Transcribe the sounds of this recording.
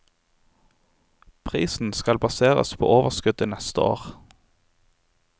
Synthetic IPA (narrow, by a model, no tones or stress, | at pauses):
pʰʁḭːsn̩skɑlbɑseːʁə̰spʰo̰ːʔoːʋəʁskʉd̪iːnɛst̪əo̰ːʁ